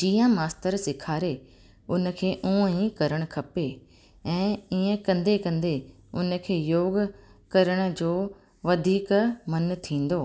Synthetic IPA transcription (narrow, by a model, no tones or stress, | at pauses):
d͡ʑiːãmaːst̪əɾsɪkʰaːɾe | ʊnə̆kʰeːʔũːĩkɐɾəɽ̃kʰɐpe | ɛ̃ːiːə̃kɐ̃nd̪ekɐ̃nd̪e | ʊn̆kʰeːjoːɡkɐɾəɽ̃̆d͡ʑoː | ʋɐd̪ʱiːkmɐnt̪ʰĩːn̆d̪oː